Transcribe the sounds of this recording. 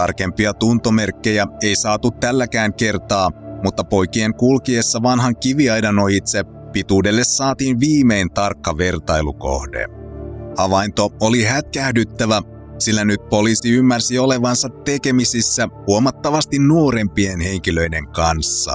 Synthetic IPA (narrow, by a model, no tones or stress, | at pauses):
t̪ɑrke̞mpiɑt̪unt̪o̞me̞rkːe̞jæejsɑːt̪ut̪ːælːækæːŋke̞rt̪ɑːmut̪ːɑpo̞jkie̞ŋkulkiesːɑʋɑnɦɑŋkiʋiɑjdɑnoit̪se | pit̪uːde̞lːe̞sːɑːt̪iːnʋiːme̞jnt̪ɑrkːɑʋe̞rt̪ɑjlṵko̞̰hdḛ | ɑʋɑint̪o̞oliɦæt̪kæhdyt̪ːæʋæ | silːænyt̪̚po̞liːsiymːærsio̞le̞ʋɑnsɑt̪ːe̞ke̞misisːæhuomɑt̪ːɑʋɑst̪innuo̞ɾe̞mpie̞nhe̞ŋk̟ilø̞ide̞ŋkɑnsːɑ̰